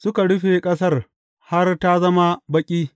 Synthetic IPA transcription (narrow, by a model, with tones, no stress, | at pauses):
sʊ˦ka˨ɽʊ˦ɸe˨kʼɐ˦s̬ɐ˦r | ha˦rta˦zɐ˦ma˦bɐ˦kʲʼiː˦